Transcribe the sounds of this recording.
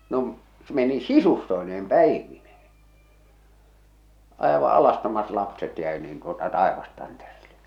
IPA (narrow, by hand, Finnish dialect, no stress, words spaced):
no m meni sisustoi̞neːm pæˑiʋine̥he̥ ɑˑeʋɑʔ ɑlɑstomɑt lɑpset jæˑi niːn tuotɑ tɑˑeʋɑstɑnterilːe̥